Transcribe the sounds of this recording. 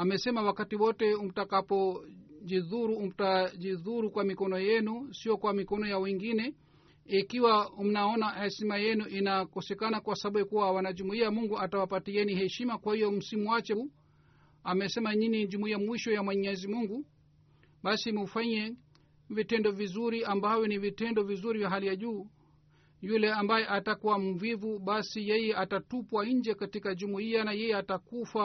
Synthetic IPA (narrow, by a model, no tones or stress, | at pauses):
amɛsɛmawakatiwɔtɛum̩takapɔd͡ʒiðuɾuum̩tad͡ʒiðuɾukwamikɔnɔjɛnusiɔkwamikɔnɔjawiŋɡinɛ | ikiwaum̩naɔnahɛʃimajɛnuʔinakɔsɛkanakwasaɓuɛkuwawanad͡ʒumuiamuŋɡuatawapatiɛnihɛʃimakwahijɔm̩simuwat͡ʃɛ | amɛsɛmaɲiniʄumuiamwiʃɔjamwɛɲɛzimuŋɡu | ɓasimufaɲɛ | vitɛndɔvizuɾiambawɛnivitɛndɔvizuɾivjaɦalijaʄuː | julɛambajɛʔatakuwam̩vivuɓasijɛjɛʔatatupwaɲ̩d͡ʒɛkatikaʄumuianajɛjɛatakufa